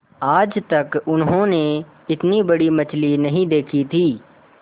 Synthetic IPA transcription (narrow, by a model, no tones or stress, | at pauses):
aːd͡ʒt̪ɐkʊnɦõne | ɪt̪nibɐɽimɐt͡ʃlinɐɦĩd̪eːkʰit̪ʰiː